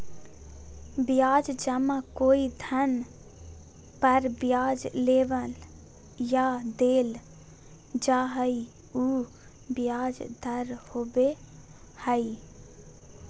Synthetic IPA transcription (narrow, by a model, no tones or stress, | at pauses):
bjaːd͡ʒd͡ʒəmãkoːid̪ʱən | pəɾbjaːd͡ʒleːʋəl | jad̪eːl | d͡ʒaɦəi | uː | bjaːd͡ʒd̪ʱəɾhobe | həi